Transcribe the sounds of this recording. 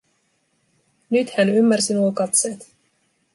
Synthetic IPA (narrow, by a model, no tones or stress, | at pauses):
nyt̪hænymːærsinuokɑt̪se̞ːt̪